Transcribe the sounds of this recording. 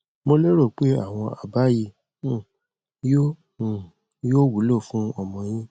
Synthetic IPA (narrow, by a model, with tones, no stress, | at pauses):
mo˧le˦ɾo˦˨k͡pe˨˦a̰˦˨w̃ɔ̃˧ʔa˨ba˨˦ji˧˦˨ | jo˦˨ | joː˦wu˨˦lo˦˨fũ˦ɔ˧˨mɔ̃˨j̃ĩ˦